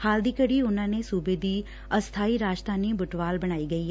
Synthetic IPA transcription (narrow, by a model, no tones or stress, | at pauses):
haːld̪iːkəɽiːʊnãːneːsuːbeːd̪iː | əst̪ʰaːiːɾaːd͡ʒt̪aːniːbʊʈʋaːlbəɽ̃aːiːɡəiːɦ